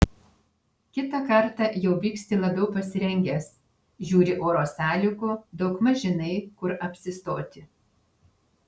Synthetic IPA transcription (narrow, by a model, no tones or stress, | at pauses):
kʲɪt̪ɐkɐɾt̪ɑˑjɛʊbʲiːksʲt̪ʲɪlˠɐbʲɛʊpɐsʲɪɾʲɛŋʲɡʲɛs | ʒʲuːɾʲɪʔoːɾoːsʲæːlʲʊkʊd̪ɐʊkmɐʒʲɪnɐɪkʊɾɐpʲsʲɪst̪oːt̪ʲɪ